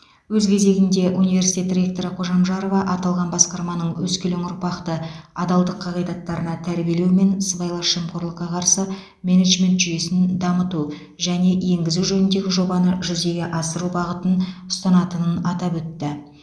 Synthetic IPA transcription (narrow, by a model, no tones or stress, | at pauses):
wɵzkʲʰe̞ze̞ɡʲɪnd̪e̞ʔunijve̞ɾsi̥t̪ʲet̪rʲe̞k̚t̪o̞ɾɪqʰo̞ʒɑmʒɑɾovɑʔɑt̪ɑlˠʁɑnbɑsqɑɾmɑnəɴwɵskʲeleŋʊɾpɑqt̪əɑd̪ɑlˠd̪əqʰːɑʁijd̪ɑt̪ːɑɾənɑt̪ʰæɾbije̞lewme̞nsəbɑjlˠɑɾʃəmqʰoɾlˠəqːɑqʰɑɾsə | me̞neʒme̞nt̪ʒʏyje̞sɪnd̪ɑmət̪u | ʒæne̞je̞ŋɡʲɪzuʒɵnɪnd̪e̞ɡʲɪʒo̞bɑnəʒʏze̞ɡʲe̞ʔɑsəɾubɑʁət̪ənʊ̥st̪ɑnɑt̪ənənɑt̪ɑpwɵt̪ːɪ